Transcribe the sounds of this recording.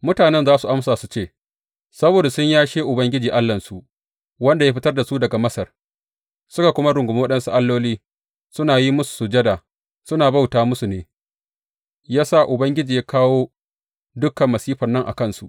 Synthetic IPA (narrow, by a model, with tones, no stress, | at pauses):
mʊ˦taː˨nɛ˦nzaː˦su˨ʔa˦msaː˨su˨t͡ʃeː˦˨ | sɐ˦boː˨da˨sʊ˦ɲjaː˦ʃeː˦ʔʊ˨bɐ˦ŋɡʲɪ˦d͡ʒiː˨ʔa˦lːɐ˨nsu˨ʔ | wɐ˦nda˨ja˦ɸɪ˦tɐ˦rda˨su˦dɐ˨ɡa˨mɐ˦sɐ˨r | sʊ˦ka˨kʷʊ˦ma˦ɽʊ˨ŋɡʷʊ˨m˦wɐ˦ɗɐ˦nsu˦ʔa˦lːoː˦liː˦ | sʊ˦naː˨ji˦mʊ˦su̥˨sʊ˨d͡ʒɐ˦daː˨ | sʊ˦naː˨ba˦wtaː˨mʊ˦su˨neː˨ | jaː˦sa˦˨ʔʊ˨bɐ˦ŋɡʲɪ˦d͡ʒiː˨ja˦kʰaː˦woː˦ | dʊ˦kːɐ˨mːɐ˨siː˦ɸɐ˨nːɐ˦ŋʔa̰˨kɐ˦nsu˨ʔ